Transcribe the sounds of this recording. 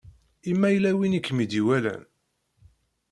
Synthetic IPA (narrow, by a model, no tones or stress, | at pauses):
imːæjlæwinikːmid̪iwælæ̰n